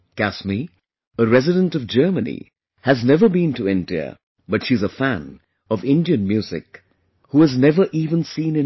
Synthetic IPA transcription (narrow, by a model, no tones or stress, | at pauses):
kæsmi | əɹɛzɨɾə̃ntʌvd͡ʒɜ˞mənḭ | hɨznɛvə˞bĩntʰɨɛ̃ndiə̰ | bʌtʃizəfæ̃n | ʌvɪ̃ndiɨ̃nmjʉzɪ̰k | huɨznɛvə˞ʔiːvə̃nsĩːnɨ̃